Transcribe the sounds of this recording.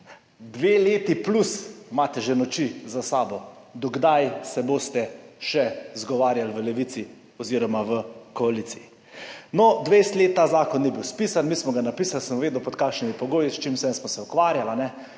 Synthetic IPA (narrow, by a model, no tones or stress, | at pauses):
d̪ʋeːleːt̪iplusmaːt̪ɛʒenɔt͡ʃizasaːbɔ | d̪ɔɡd̪ajsɛboːst̪ɛʃɛzɡɔʋaːɾjalʋəlɛʋit̪si | ɔziɾɔmaʋəkoaliːt̪sii | nɔd̪ʋest̪leːt̪ːaːzaːkɔnːibiwspisanmiːsmɔɡanapiːsalsəmuʋeːd̪wpɔt̪̚kaːkʃnimipɔɡoːjist͡ʃimsɛnsmɔsɛukʋaːɾjalanɛ